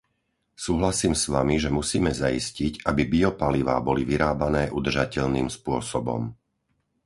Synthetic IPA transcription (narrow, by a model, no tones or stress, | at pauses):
suːɦlasiːmsʋamiʒɛmusiːmɛzaisciɟabibiɔpaliʋa̰ːbɔliʋiɾaːbanɛːʔud̪r̩ʒacɛʎniːmspʊɔsɔbɔ̰m